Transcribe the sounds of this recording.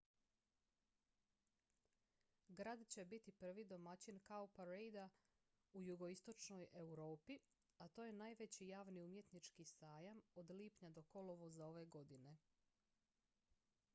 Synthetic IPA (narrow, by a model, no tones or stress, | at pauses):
ɡɾad̪t͡ɕe̞bit̪ipr̩ʋid̪o̞mat͡ɕinkaopaɾejd̪a | ujuɡo̞ist̪o̞t͡ʃno̞je̞wɾo̞ːpi | at̪oːje̞naːjʋe̞t͡ɕijaːʋniumje̞t̪nit͡ʃkisaːjamo̞d̪liːpɲad̪o̞ko̞loʋozao̞ʋe̞ɡo̞d̪ine̞